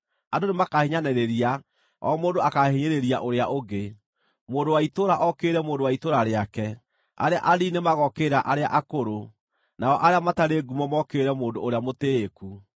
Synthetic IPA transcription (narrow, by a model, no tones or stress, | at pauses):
adonemakaheɲanɛɾeɾia | ɔ̰moːndoakaheɲeɾeɾiaʔoɾeaʔoɡe | moːndowaitoɾaʔɔkeːɾɛmoːndowaitoɾaɾeakɛ | a̰ɾea̰ʔaɾinemaɣɔkeɾaʔaɾeaʔakoɾo | naɔʔaɾeamataɾeɡumɔmɔkeɾɛmoːndooɾeamoteːku